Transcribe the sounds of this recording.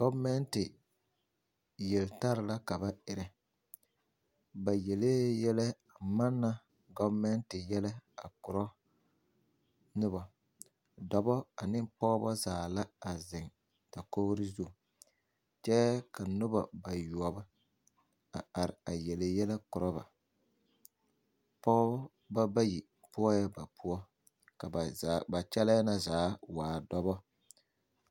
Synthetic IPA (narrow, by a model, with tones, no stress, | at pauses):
ɡɔ˦bmɛ˦ntɪ˨ | jɛ˨lta˦ɾɪ˨la˦ka˨ba˦ɪ˨ɾɪ˦ | ba˨jɛ˨leː˦jɛ˦lɛ˦a˨ma˦nːa˦ | ɡɔ˦bmɛ˦ntɪ˨jɛ˦la˦a˨kʊ˨ɾɔ˦ | nʊ˦ba˨ | dɔ˨bɔ˦a˨nɪ˦mpɔː˦bɔ˦zaː˨la˦a˨zɪ˨ŋ | ta˨koː˦ɣɾɪ˦zu˦˨ | t͡ʃɛ˦ka˨nʊ˦ba̰˨ba˨ju˨ɔ˨ba˦ | a˨a˨ɾɪ˨a˨jɛ˨lɪ˨jɛ˦la˦kʊ˨ɾɔ˦ba̰˨ | pɔ˦ɔ˦ | ba˦ba˦ji˨ | pʊ˦ɔ˦jɛ˦ba˨pʰʊ˦ɔ˦ | ka˨a˨ba˨t͡ʃɛ˦la˦na˦zaː˨˦waː˨dɔ˦bɔ˦